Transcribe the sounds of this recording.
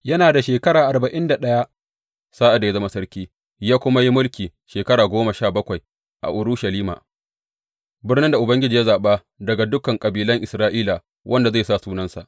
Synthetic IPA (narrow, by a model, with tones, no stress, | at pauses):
jɐ˦naː˨da˨ʃeː˨kɐ˦ɽaː˨ʔa˨rbɐ˨ʔɪ˦nda˨ɗɐ˦ja˦ʔ | saː˦ʔa˨da˨ja˦zɐ˦ma˦sɐ˦ɾkʲiː˦ | jaː˦kʷʊ˦ma˦ji˦mʊ˦lkʲiː˨ʃeː˨kɐ˦ɽaː˨ɡʷoː˦ma˨ʃaː˦˨bɐ˦kʷa˨j | ʔa̰˨ʔʊ˨ɾu˦ʃɐ˨liː˦ma̰ː˨ | bɪ˦rnɪ˦nda˨ʔʊ˨bɐ˦ŋɡʲɪ˦d͡ʒiː˨ja˦zaː˨ɓa˦ | dɐ˨ɡa˨dʊ˦kɐ˨ŋkʼɐ˨biː˨lɐ˦ŋʔɪ˨sɾaː˦ʔiː˦la˨ | wʔɐ˦nda˨ze˦˨saː˦˨suː˦nɐ˦nsa̰˨ʔ